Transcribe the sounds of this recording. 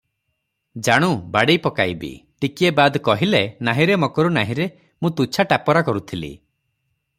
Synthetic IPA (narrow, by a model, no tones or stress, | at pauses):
d͡ʒaɽ̃ũbaɽejpɔkajbḭʈikiebad̪kɔɦilenaɦĩɾemokɔɾunaɦĩɾe | mũt̪ut͡ʃʰaʈapɔɾakɔɾut̪ʰilḭ